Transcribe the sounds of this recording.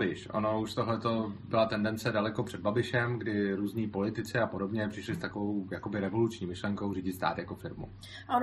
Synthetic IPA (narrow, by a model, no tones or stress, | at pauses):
bɪʃʔo̰no̞uʃt̪oɦlɛt̪o̞bɪlat̪ɛndɛnt͡sɛdalɛko̞pr̥ɛd̪̚babɪʃɛmɡdɪɾuːzɲiːpo̞lɪt̪ɪt͡sɪapo̞do̞bɲɛpr̥ɪʃlɪst̪akovowjako̞bɪɾɛvo̞lut͡ʃɲiːmɪʃlɛŋkowriːɟɪt̪st̪a̰ːt̪jako̞fɪɾmṵ | ʔo